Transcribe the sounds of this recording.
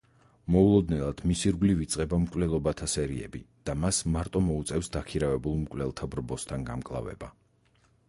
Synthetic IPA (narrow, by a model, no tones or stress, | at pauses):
mɔulˠɔd̪nɛlˠad̪̥misiɾɡlivit̪sʼqʼɛbamkʼwlɛlˠɔbat̪ʰasɛɾiɛ̰bḭ | d̪̥amasmaɾt̪ʼɔmɔut̪sʼɛfsd̪akʰiɾavɛbulˠmkʼlɛlˠt̪ʰabɾbɔst̪ʰanɡamkʼlˠa̰vɛ̰ba